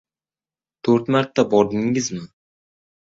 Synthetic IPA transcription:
t̪ʰoɾt̪maɾt̪ʰːabɒɾd̪ɪŋɪzmɪ

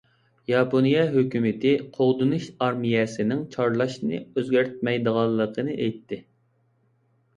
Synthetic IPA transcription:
jɑponijɛɦøkʲymɪt̪ɪqʰoʁd̪unuʃɑɾmijɛsɪnɪŋt͡ʃʰɑɾlˠɑʃnɨ̰øzɡʲæɾt̪̚mɛjd̪əʁɑlˠːəqʰənɨʔejt̪ʰːɪ

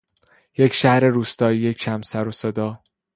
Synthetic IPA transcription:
je̞cʰʃæhɾe̞ɾuːst̪ɒːijecʰʃʰæmsæɾosed̪ɒː

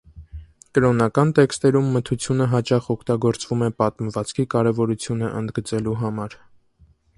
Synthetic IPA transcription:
kəɾɔnɑkɑnt̪ɛkst̪ɛɾumːət̪ʰut͡sʰjunəɦɑt͡ʃɑχɔkʰt̪ɑɡɔɾt͡svumɛpɑt̪məvɑt͡skʰikɑɾɛvɔɾut͡sʰjunəʔənd̪ɡət͡sɛluɦɑmɑɾ

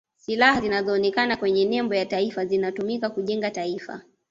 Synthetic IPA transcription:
silahazinazɔːnɛkanakwɛɲɛnɛmbɔjataifazinatumikakuʄɛŋɡataifa̰

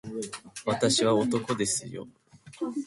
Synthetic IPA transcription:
βat̪aɕiβao̞t̪o̞ko̞d̪e̞sɨjo̞̰

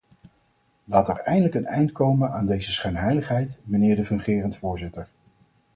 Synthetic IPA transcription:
laːtəɹɛjndələkənɛjntkowmənaːndejzəsχɛɥnɦɛjləχɦɛjtmənɪːɹdəvɵŋχɪːrəntfʊːɹzɪtəɹ

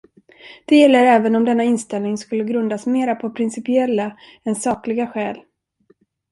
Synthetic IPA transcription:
d̪̥ɛjɛlːəɾɛːvənɔmd̪ɛnːaɪnst̪ɛlnɪŋskɵlːəɡɾɵnd̪asmeːɾapʰɔpʰɾɪnsɪpɪɛlːa | ɛnsɑːklɪɡaɧɛːl

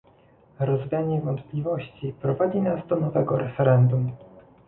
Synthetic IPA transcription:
ɾɔzvʲjaɲɛvɔnt̪plʲivɔɕt͡ɕipɾɔvad͡ʑinazd̪ɔnɔvɛɡɔɾɛfɛɾɛnd̪um

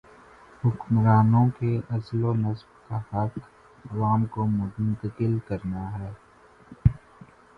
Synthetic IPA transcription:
hʊkmɾaːnõkeɐslonɐsbkahɐk | ɐʋaːmkomʊ̃tnt̪əkɪlkɐɾnaɦɛː

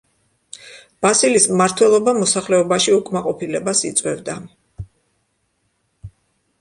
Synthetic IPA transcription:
b̥asilismmaɾt̪ʰwɛlˠɔbamɔsaχlɛɔbaʃiukʼmaqʼɔpʰilɛbasit̪sʼwɛvd̪a

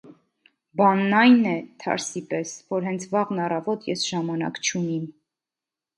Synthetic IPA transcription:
bɑnːɑjnɛt̪ʰɑ̰ɾsipɛsvɔɾɦɛnt͡sʰvɑʁnɑrɑvɔt̪jɛsʒ̥ɑmɑnɑ̰kt͡ʃʰunim

